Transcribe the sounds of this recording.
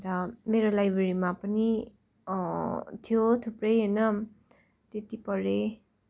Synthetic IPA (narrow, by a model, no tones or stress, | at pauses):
t̪ʌmeɾolajbɾeɾimapʌni | t̪ʰijot̪ʰuprʌjɦʌnʌ | t̪et̪ipʌɾe